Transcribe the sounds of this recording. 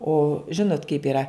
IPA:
oː ˈʒʲɪnoːt kɐɪp iːˈrɐ

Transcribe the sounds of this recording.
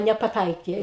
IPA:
nʲɛpɐˈtɐɪkʲeː

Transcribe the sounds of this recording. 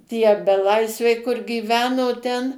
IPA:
tʲiɛ bʲɛˈlˠɐɪsʲʋʲɛɪ kʊr ɡʲiːˈʋʲæːnoː ˈtʲɛn

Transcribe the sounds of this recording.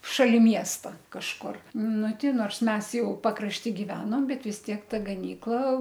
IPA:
ʃɐˈlʲɪ ˈmʲiɛstɐ kɐʃˈkʊr ˈnʊ ˈtʲɪ ˈnoːrs ˈmʲɛs ˈjɛʊ pɐkrɐʃʲˈtʲiː ɡʲɪˈʋʲæːnoːm ˈbʲɛt ʋʲɪs ˈtʲiɛk ˈtɐ ɡɐˈnʲiːklˠɐ

